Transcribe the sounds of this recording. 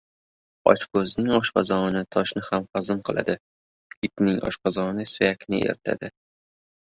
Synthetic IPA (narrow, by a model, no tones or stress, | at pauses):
ɒ̰t͡ʃkʰɵznɪŋɒʃqɑ̰zɒnɪt̪ʰɒʃnɪhamqɑzɨmqʰɨlˠa̰d̪ɪ | jɪt̪ʲnɪŋɒ̰ʃqɑzɒnɪsʊjakʲnɪḛɾɪt̪ʰa̰d̪ɪ